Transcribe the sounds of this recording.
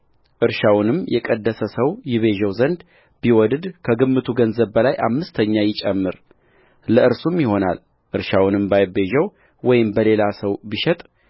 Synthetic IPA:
ʔɨɾʃawnɨmjɛkʼəd̪ːəsəsəwjɪβe̞ʒəwzənd̪ | biwɔd̪d̪kʰəɡɨmːɨt̪ʰuɡənzəβbəlajʔa̰mːɨst̪ʰəɲːajɪt͡ʃʼɛmːɨɾ | ləʔɨɾsumjɪho̞na̰l | ʔɨɾʃawnɨmbajbe̞ʒɛw | wɔjɪmbəle̞lasəwbiʃɛt̪ʼ

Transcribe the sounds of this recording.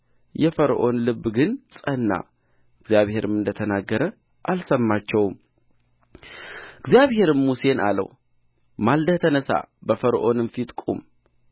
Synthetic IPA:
jɛfəɾʔo̞nlɨbːɡɨnsʼənːa̰ | ɨɡzjaβhe̞ɾɨmɨnd̪ət̪ʰənaɡːəɾə | ʔalsəmːat͡ʃːɛwm | ɨɡzijaβhe̞ɾɨmːuse̞na̰lə̰w | mald̪ət̪ʰənəsa̰bəfəɾʔo̞nɨmfit̪ʼkʼṵm

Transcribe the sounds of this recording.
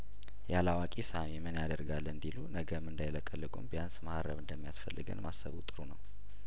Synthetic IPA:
jalawakʼisamemɨnjad̪əɾɡalːɨnd̪ilunəɡəmɨnd̪ajləkʼəlːɨɡʼṵmbjansmaʔaɾəβɨnd̪əmːijasfəlːɨɡɨ̰nmasːə̰βut̪ʼɨɾunəw

